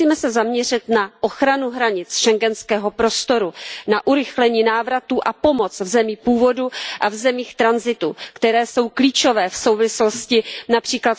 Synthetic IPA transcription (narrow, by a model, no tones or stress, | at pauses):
iːmɛsɛzamɲɛr̝ɪt̪naʔoxɾanuɦɾaɲɪt͡sʃɛŋɡɛnskɛːɦo̞pɾo̞st̪o̞ɾunaʔuɾɪxlɛɲiːnaːvɾat̪uʔapo̞mo̞t͡svzɛmiːpuːvo̞duʔavzɛmiːxt̪ɾanzɪt̪ukt̪ɛɾɛːso̞wkliːt͡ʃo̞vɛːfso̞wvɪsloscɪnapr̥iːklat̪